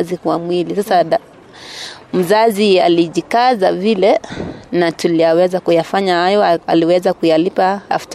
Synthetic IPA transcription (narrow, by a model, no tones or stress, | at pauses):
zikwamwilisasa | m̩zazialiʄikazavilɛnatulijawɛzakujafaɲahajɔa̰liwɛzakujalipaa̰ft